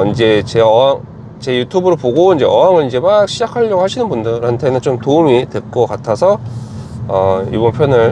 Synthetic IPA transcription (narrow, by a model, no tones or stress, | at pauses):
ind͡ʑe̞t͡ɕe̞ʌaŋ | t͡ɕe̞jutʰubɯɾopoɡoind͡ʑe̞ʌɦaŋɯɭind͡ʑe̞mak̚ɕʰid͡ʑakʰaʎːʌɡohaɕʰinɯnbundɯɾantʰe̞nɯnt͡ɕomtoumitwe̞k͈ʌkatʰasʰʌ | ʌḭbʌnpʰjʌnɯɭ